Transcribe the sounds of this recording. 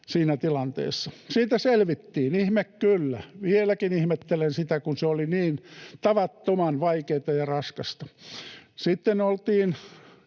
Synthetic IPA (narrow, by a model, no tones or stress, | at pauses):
siːnæt̪ilɑnt̪ḛːsːɑsiːt̪æselʋit̪ːiːnihmekkylːæʋielækinihmet̪ːelensit̪ækunseoliniːnt̪ɑʋɑt̪ːomɑnʋɑikeːt̪ɑjɑrɑskɑst̪ɑ̥ | sit̪ːenolt̪iːn